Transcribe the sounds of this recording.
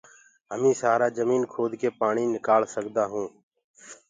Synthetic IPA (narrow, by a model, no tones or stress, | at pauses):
ɦəmĩːsaːɾaːd͡ʒəmiːnkʰoːd̪keːpaːɳiːnɪkaːlsəɡd̪aːɦũː